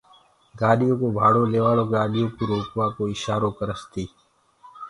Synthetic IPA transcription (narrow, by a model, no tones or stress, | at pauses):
ɡaːɗijõːkobʱaːɽoːleːʋaːloːɡaːɗijõːkiɾoːkwaːkoːɪʃaːɾoːkəɾəst̪iː